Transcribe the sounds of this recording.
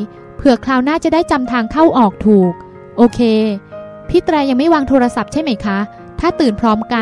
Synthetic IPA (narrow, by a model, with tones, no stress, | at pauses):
pʰɯ˨˩ɐkʰlaː˧wnaː˥˩t͡ɕa˨˩daː˥˩jt͡ɕa˧mt̪ʰaː˧ŋkʰa˥˩wʔɔː˨˩k̚t̪ʰuː˨˩k̚ | ʔoː˧kʰeː˧ | pʰi˦˥t̪ɾɛː˧ja˧ŋma˥˩jwaː˧ŋt̪ʰoː˧ɾa˧sa˨˩p̚t͡ɕʰa˥˩jma˦˥jkʰa˦˥ | t̪ʰaː˥˩t̪ɯː˨˩npʰɾɔː˦˥mka˧